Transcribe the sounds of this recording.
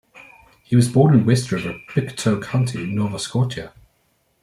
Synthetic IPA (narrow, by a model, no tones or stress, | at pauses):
hiwɒzbɔːnɪ̃nwɛstɹɪvəpʰɪktʰəʊkʰãʊ̃ntʰiɪ̃nːɔːvəskɔˑtʰə